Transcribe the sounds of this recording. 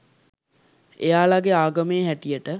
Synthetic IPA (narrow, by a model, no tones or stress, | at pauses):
ejaːlaɡeaːɡəmeːɦæʈijəʈə